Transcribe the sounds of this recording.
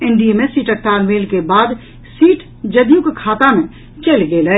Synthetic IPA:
ɪ̃ɳɖiemẽsiːʈək̚t̪aːlmeːlkebaːd̪ | siːʈ | d͡ʒɐd̪jukkʰaːt̪amẽ | t͡ʃelɡelə

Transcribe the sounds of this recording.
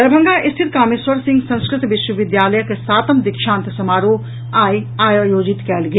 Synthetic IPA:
ɐɾbʱɐ̃ŋɡʱaʔɪst̪ʰɪt̪kaːmɪswəɾsɪ̃ŋɡsɐ̃ñskɾɪt̪ʋɪʃwəʋɪd̪jaːləjkesaːt̪əmd̪ɪkʃãːnt̪sɐmaːɾoː | aːiaːjoːd͡ʒɪt̪kɛːlɡe

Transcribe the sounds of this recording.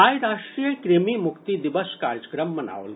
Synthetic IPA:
aːjɾaʂʈɾijəkɾemimukt̪id̪iʋəskaːɾjəkɾəmːɐna̰ːʋl

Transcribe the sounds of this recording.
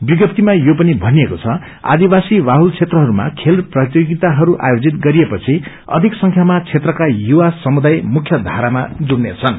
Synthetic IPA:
biɡʌp̚t̪imajopʌnibʱʌniekot͡sʰʌ | a̰d̪ibasiwaɦult͡sʰet̪rʌɦʌɾuma̰kʰelrprʌt̪joɡit̪aɦʌɾuʔa̰jod͡zit̪̚ɡʌɾiepʌt͡sʰi | ʌ̰d̪ʱiksʌŋkʰjamat͡sʰet̪rʌkajuwasʌmud̪ajmukʰjʌd̪ʱaɾama̰d͡zuɽnet͡sʰʌn

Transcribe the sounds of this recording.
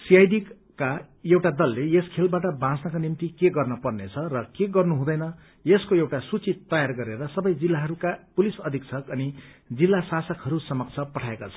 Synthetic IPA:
sijajd̪ik | ka | ewʈad̪ʌlːejeskʰelbaʈʌbãt͡snakonimt̪ikeɡʌrnʌpʌrnet͡sʰʌrʌkeɡʌrnuɦũd̪ʌjnʌ | jeskoewʈasut͡sit̪ːʌjarɡʌɾeɾʌsʌbʌjd͡zilːaɦʌɾukapulisʌd̪ʱiksʰʌkʌnid͡zilːasasʌkɦʌɾusʌmʌkt͡sʰʌpʌʈʰaekat͡sʰʌ̥

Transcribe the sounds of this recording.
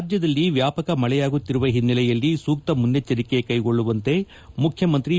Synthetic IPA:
d͡ʒ̪jɐd̪ɐlːiʋjaːpɐkɐmɐɭɛjaːɡut̪ːiɾuʋɐɦinːɐlɛjɐlːisuːk̚t̪ɐmund̪et͡ʃːɐɾikekɐjɡo̞ɭːuʋɐnt̪e̞ | mukʰjɐmɐnt̪ɾi

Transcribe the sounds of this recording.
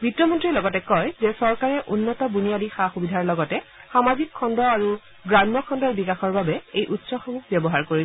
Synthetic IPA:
bʱitːɔmɔntɹilɔɡɔtɛkɔjzɛsɔɹkaɹɛʔunːɔtɔbunijalixaxubidʱaɹlɔɡɔtɛxamazikʰːɔndɔaɹu | ɡɹamːɔkʰɔndɔɹbikaxɔɹbabɛejʔutsɔxɔmuxʰbjɔbɔɦaɹkoɹi

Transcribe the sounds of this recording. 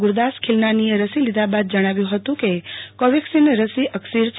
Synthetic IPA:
ɡʊɾd̪askʰilnanijeɾəsilid̪abad̪̚d͡ʒəɽ̃aʋjũɦət̪ũkekɔʋeksinɾəsiʔəksiɾt͡ʃ

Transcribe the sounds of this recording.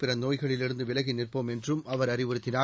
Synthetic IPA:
pɪrɐnoːjɣɐɭɪlɪɽɯnd̪ɯʋɪlɐɣinɪrpoːmɛndrɯmɐʋɐɾɐrɪʋɯɾɯt̪ːɪnaː

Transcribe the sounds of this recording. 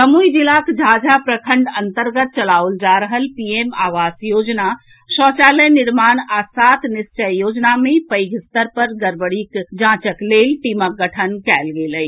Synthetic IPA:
səmujd͡ʒilaːkd͡ʒʱad͡ʒapɾəkʰə̃ɳɖə̃nt̪əɾɡət̪̚t͡ʃəlaːʊld͡ʒaːɾəɦəlpieːmaːʋaːsjoːd͡ʒna | ʃɔːt͡ʃaːləjnɪɾmaːnaːsaːt̪ʰnɪst͡ʃəjjoːd͡ʒnamẽpəjɡʱɪst̪əɾpəɾɡəɾbəɽikd͡ʒãːt͡ʃəkleːlʈiːmək̚ɡəʈʰənkɛːlɡeːləi

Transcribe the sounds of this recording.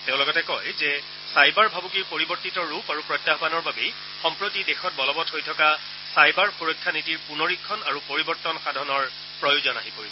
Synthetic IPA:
tẽʊ̃lɔɡɔtɛkɔjzɛ | sajbaɹbʱabukiɹpoɹibɔɹtitɔɹupaɹupɹɔjtːaɦbanɔɹbabe | xɔmpɹotidexɔt̚bɔlɔbɔthojtʰɔka | sajbaɹxuɹojkʰːanitiɹpunoɹikʰːɔnaɹupoɹibɔɹtɔnxadʱɔnɔɹ | pɹɔjuzɔna̰ɦipoɹibɔ

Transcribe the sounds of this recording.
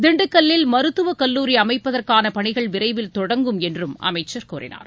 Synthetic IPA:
d̪ɪɳɖɯkːɐlːɪlmɐɾɯt̪ːɯʋɐkɐlːuːɾiɐmɐɪpːɐðɐrkaːnɐpɐɳɪɣɐɭʋɪɾɐɪʋɪlt̪ɔɽɐŋɡɯmɛndrɯmʔɐ̰mɐɪt͡ʃːɐɾkoːrɪ̰na̰ːɾ

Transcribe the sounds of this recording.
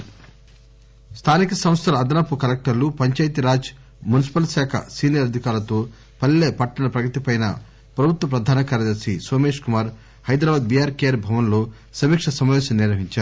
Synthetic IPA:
st̪ʰaːnikɐsɐmst̪ʰɐlɐːd̪ɐnɐpːukɐlek̚ʈɐɾlupɐɲt͡ʃɐːjt̪iɾaːd͡ʒ | munis̬i̥pɐlsaːkʰɐ̰siːnijɐɾɐd̪ʱikaːɾɐt̪oː | pɐlːeːpɐʈːɐnɐpɾɐɡɐt̪ipɐjnɐ̰ | pɾɐbʱut̪ʋɐpɾɐd̪ʱaːnɐkaːɾjɐd̪ɐɾsisoːme̞ːʂkumaːɾ | hɐjd̪ɾaːbaːd̪̚bijaːɾkeːɾbʱɐʋɐnlo̞ː | sɐmiːkʂɐsɐmaːʋeːsɐmnɪɾʋɐɦiɲt͡ʃaːɾu

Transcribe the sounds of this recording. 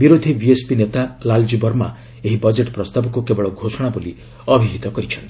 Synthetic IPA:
biɾod̪ʱibiespinet̪alald͡ʒibɔɾma̰ | eɦibɔd͡ʒeʈpɾɔst̪abɔkukebɔɭɔɡʱosɔɽ̃abuli | ɔbʱiɦit̪ɔkɔɾit͡ʃʰɔnt̪i

